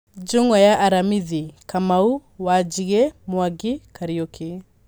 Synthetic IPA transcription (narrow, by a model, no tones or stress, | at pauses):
d͡ʒoŋɔjaʔːɾamiðikamauwad͡ʒiɣemwaɡikaɾiokʰe